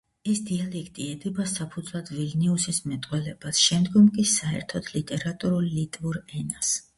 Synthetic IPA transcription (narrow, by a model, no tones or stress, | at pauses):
ɛsd̪ialɛkʰt̪ʼiɛd̪ɛbasapʰud̪zlˠad̪vilnɛusismɛt̪ʼqʼwɛlɛbasʃɛmd̪ɡɔmkʼisaɛ̰ɾt̪ʰɔd̪ʰlit̪ʼɛɾat̪ʼuɾulːit̪ʼvuɾɛnas